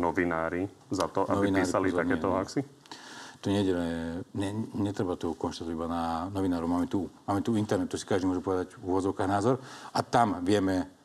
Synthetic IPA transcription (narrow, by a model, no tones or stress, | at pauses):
nɔʋinaːɾizat̪ɔʔabiinpiːɾsɾalit̪akɛːɔaksi | t̪uɲɛɟɛlɛɲɛɲɛt̪ɾɛbat̪ɔkɔnʃt̪at̪ɔʋibananɔʋinaːɾɔmaːmɛt̪umaːmɛt̪uint̪ɛɾnɛt̪ːɔsi̥kaʒd̪imɔʒɛpɔʋɛd̪aɟuʋɔd͡zɔʊkaːɣnaːzɔɾat̪amʋɪɛmɛ